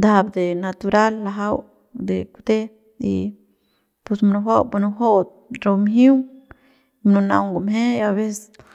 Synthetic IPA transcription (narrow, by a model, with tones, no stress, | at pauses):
d̪a˦bd̪e˨na˧t̪u˧ɾa˦lːa˧ɦa˦w | d̪e˨kud̪e˦ | ḭ˧ | pu˧smnu˧ha˦wbu˧nu˧ɦo˦t̪̚ | ɾo˧mɦĩ˦w | mnu˧na̰˧wŋɡo˨mɦe˦a˧be˦s